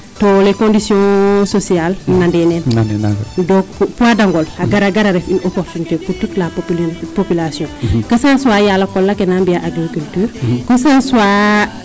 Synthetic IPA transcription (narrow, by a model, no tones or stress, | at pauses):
tolekõndisjɔ̃sosialnandɛnɛnndɔkpuadaŋɡolaɡaɾaɡaɾaɾɛfinokofinkepututlapopilasijɔ̃kɐsaːnsuaːjalːɐkɔlːakenambiaʔaɡɾikyltyːɾkɐsansua